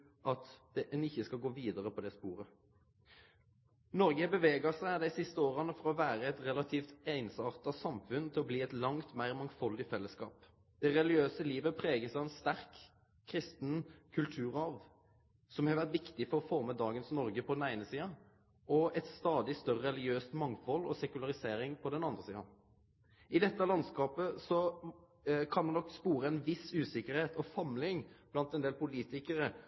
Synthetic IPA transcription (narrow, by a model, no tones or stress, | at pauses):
ʔɑt̪d̪̥ɛʔɛnɪçːəskɑɡoːʋiːd̪əʁəpʰɔd̪ɛspuːʁə | nɔʁɡəhɛbəʋeːɡɑsæɪd̪æɪsɪst̪əoːʁɑnəfɔʁɔʋæːɾəɛt̪ʁɛlɑt̪ʰiːft̪æɪnsɑːʁt̪ɑsɑmfʉnt̪ʰɪlɔbliːɛt̪lɑŋt̪mæɪʁmɑŋfɔld̪ɪfɛlːəskɑ̰ːp | d̪̥ɛʁɛlɡɪøːsəliːʋəpʰɾeːɡəsæɪɛnst̪æʁkʰː | ɾɪst̪nkʰʉlt̪ʰʉːʁɑʋ | sɔmhɑɾʋæʁt̪ʋɪkt̪ɪfɔɾɔfɔɾməd̪ɑːɡənsnɔɾɡəpʰɔd̪ɛnæɪnəsiːɑn | ɔɛt̪st̪ɑːd̪ɪst̪œɾəɾɛlɪɡɪøːst̪mɑŋfɔlɔ̰sɛkʉlɑʁɪseːɾɪŋpʰɔd̪ɛnɑnd̪ʁəsḭːɑ̰n | ʔɪd̪ɛt̪ːəɑlɑnskɑːpəsɔ | kʰɑnd̪ɛnɔkːspuːɾəɛnʋɪsʉːsɪkəɾheːt̪ʰɔsɑmlɪŋb̥lɑnt̪ɛnd̪eːlpʊliːt̪ɪkəɾə